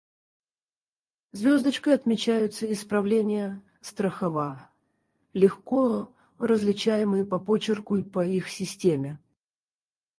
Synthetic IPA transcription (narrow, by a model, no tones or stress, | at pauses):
zʲvʲo̞zd̪ət͡ɕkəjɐt̪mʲɪt͡ɕæjʊt̪səɪspɾɐvlʲenʲɪjə | st̪ɾəxɐva | lʲɪxko | rəzlʲɪt͡ɕæjɪmɨjəpɐpot͡ɕɪrkʊipəixsʲɪsʲtʲemʲɪ